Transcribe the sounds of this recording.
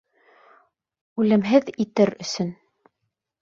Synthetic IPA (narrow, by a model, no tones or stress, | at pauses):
ʉlɘ̆mɦɘðit̪ɘɾɵ̆sɵn